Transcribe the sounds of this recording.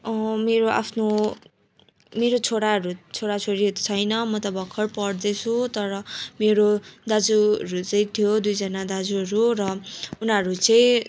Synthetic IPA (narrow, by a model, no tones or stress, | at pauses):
ʌmeɾoʔa̰pʰno | meɾot͡sʰoɽaɦʌɾut͡sʰoɽat͡sʰoɽiɦʌt̪o̥t͡sʰʌjnʌmʌt̪ʌbʌkʰːʌrpʌɽd̪et͡sʰut̪ʌɾʌmeɾod̪ad͡zuʌɾut͡sʌĩt̪ʰjod̪ujd͡zʌnad̪ad͡zuʌɾurʌunʌɾut͡sʌj̃